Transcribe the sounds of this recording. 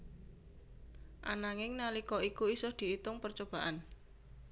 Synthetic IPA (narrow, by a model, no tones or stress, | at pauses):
ʔa̰naŋɪŋnalikɔikuisʊhd̪̥i̤it̪ʊŋpərt͡ʃob̥a̤ʔan